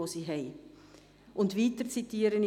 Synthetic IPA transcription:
oːsiɦɛj | ʔʊntviːtərt͡sitiːəɾəni

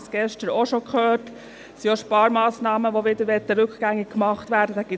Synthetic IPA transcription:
sɡ̥ɛʃtəɾoʃokχøːɾt | sioʃpɑːɾmɑːsnɑːməʋoʋɪd̥̪əɾʋɛt̪ːəɾʉkɡ̥æŋːɪ̥kːmɑχtʋæːɾdəd̥̪ɑɡ̥ɪ

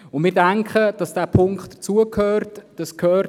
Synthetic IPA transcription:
ʊnmɪːɾdæŋkχəd̥ɑsd̥æːpʰʊŋkχtd̥̪ət͡suəkhøːrtd̥ɑskʰhøː

